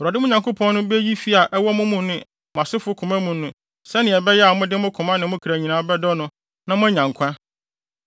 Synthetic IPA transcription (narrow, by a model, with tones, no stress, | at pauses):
ɾa˨dɪ˦mʊ̃˦ɲã˨ŋkʊ˦pʰɔ̃˦nː˦ʊ̃˦be˦ji˦fi˦a˨ʔɛ˦wɔ˦mʊ̃˦mũ˦nʊ̃˦ | m˨ã˨sɪ˦fʊ˦kʰʊ̃˨mã˦mũ˨nːʊ̃˨ | sɛ˦nɪ̃˨ɛ˨bɛ˦jɛ˦a˨˦mʊ̃˦dɪ˦mʊ̃˦kʰʊ̃˨mã˦nɪ̃˨mʊ̃˦kʰi˨ɾæ˨ɲĩ˨nã˦bɛ˦dɔ˦nʊ̃˦ | nã˦mʊ̃˦ɲã˨ŋkʷʰã˦